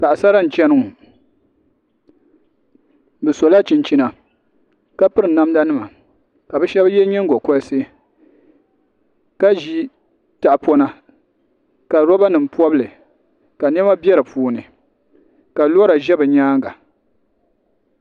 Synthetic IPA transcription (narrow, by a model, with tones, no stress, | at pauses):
pa˨ʔa˨sa˦ɾa˦n̩˨t͡ʃɛ˦nɨ˦ŋ˨ | bɛ˨sɔ˨la˦t͡ʃi˨nt͡ʃi˦na˨ | ka˦pɨ˦ɾɨ˨na˦m˦da˦nɨ˦ma˨ | ka˨bɛ˦ʃɛ˦bjɛ˦ɲɛ˦ŋ˦ɡɔ˨kɔ˦se˦ | ka˦ʒi˦ | ta˨pɔ˦na˦ | ka˨ɾɔ˦ba˦nɨ˨m̩˨pɔ˦bɨ˦lɨ˨ | ka˨n˦ɛ˦ma˦bjɛ˦ɾɨ˨puː˦nɨ˨ | ka˨lo˦ɾa˨ʒɛ˦bɨ˨ɲaː˦ŋ˦ɡa˨